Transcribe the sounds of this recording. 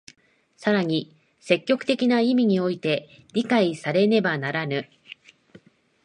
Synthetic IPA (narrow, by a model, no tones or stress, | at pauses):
saɾaɲ̟i | se̞kʲːo̞kɯ̟̥t̪e̞kʲinaimʲiɲ̟io̞it̪e̞ | ɾʲikaisaɾe̞ne̞banaɾanɯ̟